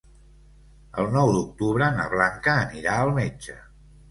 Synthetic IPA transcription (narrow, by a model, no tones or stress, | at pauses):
ə̰lˠnɔwd̪uk̚t̪uβɾənə̰βlaŋkəːniɾaəlˠmed͡ʒə